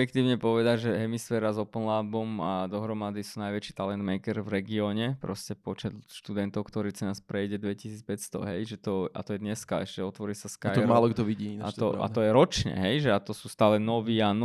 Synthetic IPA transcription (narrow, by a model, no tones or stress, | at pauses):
jɛk̚t̪iːʊɲɛpɔʋɛd̪aɟʒɛɦɛmisfɛːɾazɔpnlabɔmad̪ɔɦɾɔmad̪isuːnajʋɛt͡ʃiːt̪alɛnd̪mɛjkɛɾvɾɛɡiɔːɲɛpɾɔscɛpɔt͡ʃɛt̪ʃt̪ud̪ɛnt̪ɔʊkt̪ɔɾiːt͡sɛnaspɾɛjɟɛd̪ʋɛcisiːt͡spɛcst̪ɔ̰ɦɛjʒɛt̪ɔa̰t̪ɔjɛd̪ɲɛskaɛʃcɛɔt̪ʋɔɾiːsaskajɛɾmalˠɔɡd̪ɔʋiɟiat̪ɔa̰t̪ɔjɛɾɔt͡ʃɲɛ̰ɦɛjʒɛat̪ɔsuːst̪aːlɛnɔʋiːan